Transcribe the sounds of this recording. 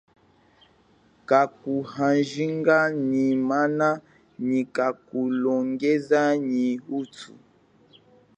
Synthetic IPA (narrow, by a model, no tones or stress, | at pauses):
kakuhãnʒiŋɡaɲimana | ɲikakulɔŋɡezaɲihutṵ